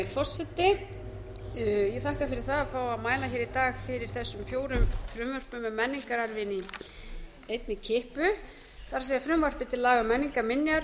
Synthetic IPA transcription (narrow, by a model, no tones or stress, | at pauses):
fɔr̥sɛt̪ːɪ | jɛθahkafɪɾɪɾ̥θaðafawaðmaːjlaçɛːɾit̪aːɣfɪɾɪɾ̥θɛsːʏmfjoːwɾʏmfɾʏmvœr̥pʏmɛmɛnːiŋkaɾaɾvɪni | ejt̪nɪcʰɪhpʏ | θaɾs̬ejafɾʏmvœr̥pɪt̪ʰɪllaːɣamɛnːiŋkaɾmɪnjaɾ